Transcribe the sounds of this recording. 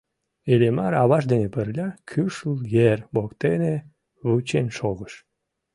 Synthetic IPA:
elemɑɾɑβɑʃd̪enepərlʲɑkʰyʃəljerbokt̪ene | βut͡ɕenʃoɣəʃ

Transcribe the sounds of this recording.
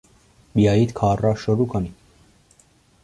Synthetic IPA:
biajit̪kʰɑːrɑʃɔɾukʰani

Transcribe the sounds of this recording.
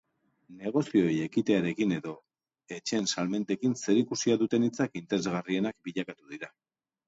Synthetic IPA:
ne̞ɣ̞o̞sio̞je̞kit̪e̞aɾe̞kine̞ðo̞ | e̞t͡ʃe̞nsalme̞nt̪e̞kinse̞ɾikusiaðut̪e̞nit͡sakint̪e̞ɾe̞zɣarie̞nak̚biʎakat̪uðiɾa

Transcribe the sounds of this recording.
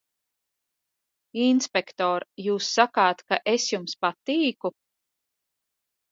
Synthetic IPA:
inspekt̪ɔːɾjuːsːakaːt̪kaʔesjumspat̪iːku

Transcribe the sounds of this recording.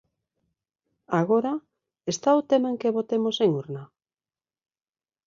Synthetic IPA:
aɣoɾa | est̪aot̪emaeŋkeβot̪emoseŋuɾna

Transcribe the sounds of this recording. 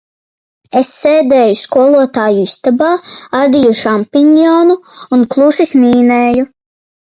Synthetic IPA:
esːeːd̪eːjuskuɔlˠuɔt̪aːjuist̪abaːad̪ʲijuʃampiɲjɔːnuːnklˠuʃismʲiːneːju

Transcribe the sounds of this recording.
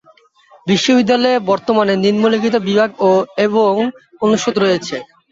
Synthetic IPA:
biʃːobid̪ːalɔebɔɾt̪omaneninmolikit̪obibʱaɡoeboŋ | onːuʃot̪ɾojet͡ɕʰe

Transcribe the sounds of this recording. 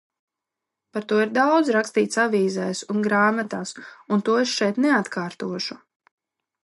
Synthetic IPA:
paɾt̪uɔiɾd̪awd̪zɾakst̪iːt̪saviːzɛjsunɡɾaːmat̪aːsunt̪uɔesʃɛjt̪nɛat̪kʰaːɾt̪uɔʃu

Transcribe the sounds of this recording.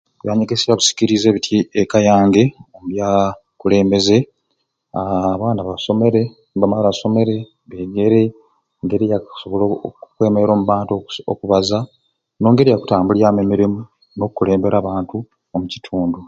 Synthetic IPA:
βjaːɲeɡesijaβusi̥ciɾize̞ːβitʰiekajaːŋɡe̞omuβja | kule̞ːmbe̞ze̞ | aβaːnaβaso̞me̞ɾe̞ | βamalaso̞me̞ɾe̞ | βeːɡe̞ɾe̞ | ŋɡe̞ɾijaksoβoloukwe̞ːmeɾeɾo̞ːmuβaːntokuβaza | no̞ːŋɡe̞ɾijaku̥taːmbuljaːmemiɾimu | no̞kukule̞ːmbe̞ɾaːβaːntu | omuci̥tʰuːndu

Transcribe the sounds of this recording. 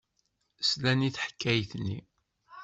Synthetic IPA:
slæniθħkʰːæjθnḭ

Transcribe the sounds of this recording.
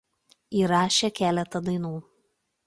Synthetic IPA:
iːɾɑːʃʲeːkʲæːlʲɛt̪ɐd̪ɐɪnuː

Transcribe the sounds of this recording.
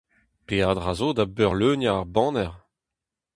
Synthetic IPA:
pead̪ʁazoːd̪abœʁløːnjaːʁbɑ̃ːnɛʁ

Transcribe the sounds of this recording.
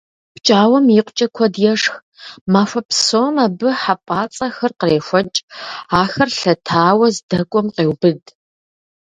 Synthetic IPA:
pt͡ʃʼaːwɐmjiqʷʼt͡ʃʼɐkʷʰɔdjɛʂx | maːfʷɐpʰsoːmaːbɨħapʼaːt͡sʼɐxɐrqəreːʃʷɔt͡ʃʼaːxɐrɬɐtʰaːwɐzdɐkʷʼɔmqeːwbɨd

